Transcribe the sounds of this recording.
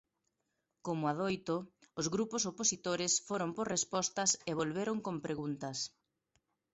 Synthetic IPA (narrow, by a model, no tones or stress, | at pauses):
komʊaðojt̪oːzɣɾuposoposit̪oɾɪsfoɾomporrespɔst̪ɐseβolβeɾoŋkompɾeɣunt̪ɐs